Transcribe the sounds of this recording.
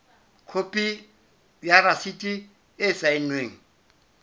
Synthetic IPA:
kʰopʼi | bjarasitʼi | ɪsaɪnweːŋ̩

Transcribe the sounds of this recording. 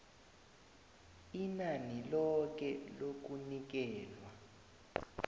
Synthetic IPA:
inanilɔk̬ɛlok̬unik̬ɛːlwa

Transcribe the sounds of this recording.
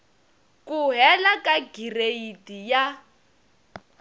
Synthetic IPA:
kʼuɦɛlakʼaɡireidija

